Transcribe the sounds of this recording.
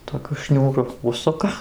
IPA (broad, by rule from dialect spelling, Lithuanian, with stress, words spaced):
toːˈkʲʊ ˈʃʲnʲuːrʊ ˈʊʃsʊkɐ